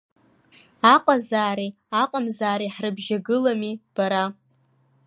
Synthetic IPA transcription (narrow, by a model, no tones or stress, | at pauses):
aqʼazaːɾi | aqʼamzaːɾiħrɨbʒaɡɨlamib̥aɾa